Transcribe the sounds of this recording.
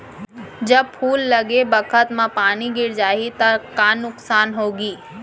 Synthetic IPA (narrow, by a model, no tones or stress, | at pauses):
d͡ʒɐb̚pʰuːlːɐɡebɐkʰət̪mãpaːniɡɪɾd͡ʒaːit̪ɐkaːnʊksaːnɦoːɡiː